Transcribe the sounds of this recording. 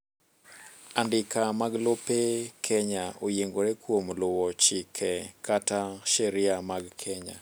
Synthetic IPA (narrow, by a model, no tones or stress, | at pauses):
andɪkamaɡlopekʰɛɲaojeŋɡoɾekwomlʊwɔt͡ʃɪkʰɛkataʃɛɾɪamaɡkʰɛɲa̰